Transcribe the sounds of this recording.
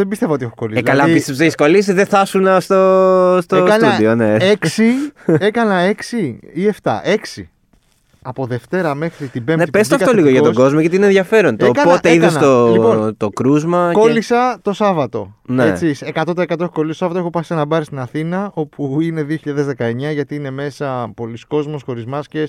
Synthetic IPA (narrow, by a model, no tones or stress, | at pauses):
ðembist̪evɐot̪iexoko̞liselkɐlɐipist̪eseiskolis̬iðeθɐsunɐst̪ost̪osɐnt̪uðioneeksie̞kɐnɐe̞ksiieft̪ɐ̰ʔe̞ksi | ɐpo̞ðe̞ft̪e̞ɾɐme̞xɾit̪ibemnepest̪oɐfkɐt̪oliɣoʝɐtt̪oɡo̞zmoʝet̪iinenðʝjɐfe̞ɾont̪oekɐnpot̪eiðesnɐt̪ollipot̪okɾuzmɐkolisɐt̪o̞sɐvɐt̪o̞net͡sisekɐt̪ot̪ɐekɐt̪oexoko̞list̪osɐvɐt̪oexopɐsɐnɐbɐɾist̪inɐθinɐo̞puine̞ðioçiʎɐðe̞zðe̞kɐe̞ɲɐʝɐt̪iine̞me̞sɐpo̞lisko̞zmo̞sxo̞ɾizmɐsce